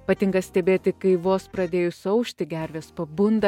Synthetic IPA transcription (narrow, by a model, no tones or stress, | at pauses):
pɐt̪ʲɪŋkɐsʲt̪ʲɛbʲeːt̪ʲɪkɐɪʋoːspɾɐd̪ʲeːjʊsɐʊʃʲt̪ʲɪɡʲæɾʲʋʲeːspɐbʊnd̪ɐ